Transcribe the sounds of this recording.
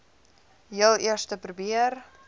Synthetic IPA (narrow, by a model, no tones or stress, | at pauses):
jəlˠiərstəpɾubiər